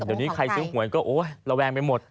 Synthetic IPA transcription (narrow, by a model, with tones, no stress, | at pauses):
ɗə˨˩wni˨˦xa˧jsɨ˨˦əhu˨˩˦əjkɔː˨˦ʔo˧˦lɔ˧wɓaː˧ŋme˧nmo˨˩t̪̚